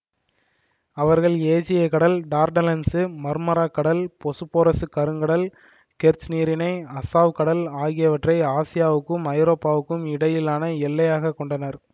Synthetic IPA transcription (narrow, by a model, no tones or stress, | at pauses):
ɐʋɐɾɣɐɭeːd͡ʒɪjɐkɐɽɐlɖaːɾɖɐlɐnsɯmɐɾmɐɾaːkːɐɽɐlpɔsɯpːoːɾɐsɯkɐɾɯŋɡɐɽɐl | kɛɾt͡ʃniːɾɪnɐɪɐsaːʋkɐɽɐlaːɣɪjɐʋɐʈrɐɪaːsɪjaːʋɯkːɯmɐɪɾoːpːaːʋɯkːɯmɪɽɐjɪlaːnɐɛlːɐjaːɣɐkːɔɳɖɐnɐɾ